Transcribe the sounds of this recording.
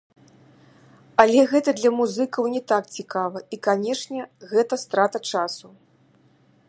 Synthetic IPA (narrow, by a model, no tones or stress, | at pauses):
ɐlʲɛɣɛt̪ɐd̪lʲɐmuzɨkɐwnʲɛt̪ak̚t͡sʲikavɐikanʲɛʂnʲɛɣɛt̪ɐst̪ɾat̪ɐt͡ʂasu